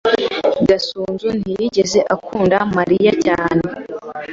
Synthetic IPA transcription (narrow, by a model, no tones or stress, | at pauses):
ɡasuːnzun̥hijiɟe̞ze̞ʔakʰuːndamaɾijacaːne̞